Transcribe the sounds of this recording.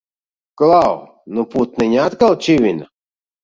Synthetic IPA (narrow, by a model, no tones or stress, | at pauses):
klaw | nuput̪̚nɨnʲat̪kalˠt͡ʃivina